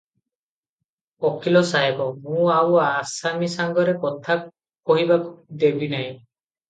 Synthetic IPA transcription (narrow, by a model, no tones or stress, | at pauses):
ɔkʰilɔsaɦekɔmũawasamisaŋɡɔɾekɔt̪ʰa | kɔɦibakd̪ebinaj̃